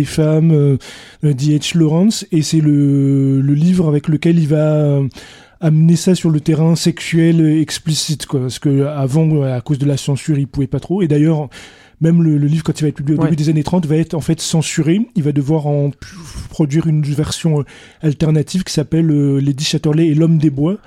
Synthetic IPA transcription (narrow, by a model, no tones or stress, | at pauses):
efamø | d̪iɛʃlɔʁɑ̃sesɛlələlivʁavɛkləkʲɛlilvaøː | mnesasyʁlət̪eʁɛ̃sɛksɥɛlɛksplisit̪kwapaʁsə̥kəavɑ̃akozd̪əlasɑ̃syʁilpuvɛpat̪χoed̪ajœʁ | mɛmlələlivʁkɑ̃t̪ilvaɛt̪̚pyblijeoebyd̪ezanet̪χɑ̃t̪vaɛt̪χɑ̃fɛt̪sɑ̃syʁeilvad̪əvwaʁɑ̃ppχɔd̪ɥiʁynvɛʁsjɔ̃ | alt̪ɛʁnat̪ʰivkʲi̥sapɛløled̪iʃat̪ɔʁlɛːlɔmd̪ebwa